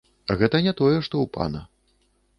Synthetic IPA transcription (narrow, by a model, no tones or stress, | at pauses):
ɣɛt̪ɐnʲɛt̪ɔjɛʂt̪ɔwpa̰nɐ